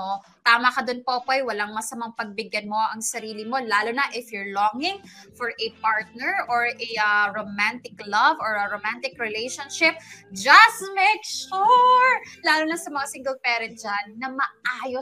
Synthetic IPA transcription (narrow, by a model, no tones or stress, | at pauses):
o | t̪aːmɐkɐd̪ʊnpopoɐjwɐlaŋmɐsɐmɐŋpɐɡ̚bɪɡjɐnmo̞ʔɐŋsɐɾiːlɪmo̞laːlonɐʔɪfjʊɹloŋɪŋfɔɹʔɛpaɹt̪̚nɛɹʔoɹɛɐɹomant̪ɪklɐvɔɹɐɾomant̪ɪkɹɛlejʃɐnʃɪp̚d͡ʒɐst̪mejkʃuɹlaːlonɐsɐmɐŋasiŋɡɛlpɛːɾɛ̃nt̪̚d͡ʒanːɐmɐʔaːjo